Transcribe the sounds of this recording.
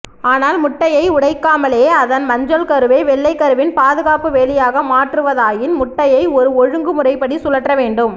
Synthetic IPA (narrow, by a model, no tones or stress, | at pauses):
aːnaːlmʊʈːɐjɐɪʊɽɐɪkːaːmɐleːɐðɐnmɐɲd͡ʒɐlkɐɾɯʋeːʋɛɭːɐɪkːɐɾɯʋɪnpaːðɯɣaːpɯʋeːlɪjaːɣɐmaːʈrɯʋɐðaːjɪnmʊʈːɐjɐɪɔɾɯɔɻɯŋɡɯmʊrɐɪpːɐɽisʊlɐʈrɐʋeːɳɖɯm